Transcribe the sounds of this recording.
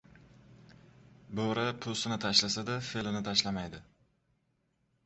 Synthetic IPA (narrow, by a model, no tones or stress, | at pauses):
boɾapʰʊsɪnɪt̪ʰaʃlasad̪afelɪnɪt̪ʰaʃlamajd̪ɪ